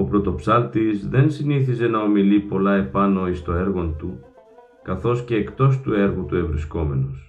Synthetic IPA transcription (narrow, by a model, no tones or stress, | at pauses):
o̞pɾo̞t̪o̞psɐlt̪izðe̞nsiniθize̞nɐo̞milipo̞lɐe̞pɐno̞ist̪o̞e̞ɾɣo̞nt̪u | kɐθo̞sce̞ːkt̪o̞st̪ue̞ɾɣut̪ue̞vɾisko̞me̞nos